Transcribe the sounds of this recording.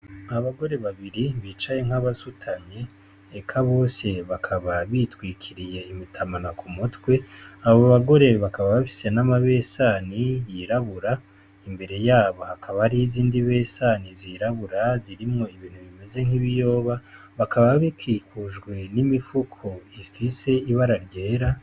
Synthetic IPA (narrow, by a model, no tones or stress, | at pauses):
aβaɡo̞ɾe̞βaβiɾiβit͡ʃaje̞ŋ̥haβasutʰaɲe̞ː | kʰaβo̞ːse̞βakʰaβaβitwiːkʰiɾije̞imitʰamanakʰumutwe̞aβoβaɡo̞ɾe̞βakaβaβafi̥se̞namaβe̞ːsaːnijiɾaβuɾa | imbe̞ɾe̞jaːβohakʰaβahɾiziːndiβe̞ːsaniziɾaβuɾaziɾimŋo̞iβiːn̥huβime̞ze̞ŋ̥iβijo̞ːβa | βakʰaβaβaβikiːkuʒɡwe̞nimifukʰo̞ifise̞iβaɾaɾɟeːɾa